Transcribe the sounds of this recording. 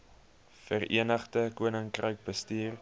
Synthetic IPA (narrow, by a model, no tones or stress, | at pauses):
fəriənəχdəkuənəŋkrəɥk̚bəstiːr